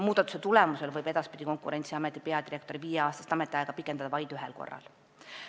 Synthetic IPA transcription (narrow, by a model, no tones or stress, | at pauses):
muːd̪ɑt̪ːˑu̥set̪ulɛmuse̞lvɤjbe̞d̪ɑspid̪̥ʲiko̞ŋkˑṵɾe̞nʲt̪siɑmet̪ːˑipe̞ɑd̪iɾe̞k̚t̪oɾiviːjeɑːst̪ɑst̪ɑmet̪ːˑiɑeɡ̥ɑpikːˑend̪ɑd̪ɑvɑjd̪yɦelko̞̰rːɑ̰l